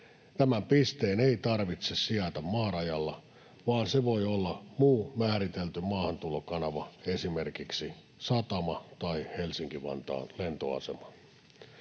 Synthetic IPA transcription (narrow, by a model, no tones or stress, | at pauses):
t̪æmæmpist̪eːneit̪ɑrʋit̪sessiæt̪æmmɑːrɑjɑlːɑ | ʋɑːnseʋojolːɑmuːmæːɾit̪elt̪ymɑːhɑnt̪ulokɑnɑʋɑesimerkiksi | sɑt̪ɑmɑt̪ɑihelsiŋkiʋɑ̰nt̪ɑ̰ːnlent̪o̰ɑ̰se̞̰mɑ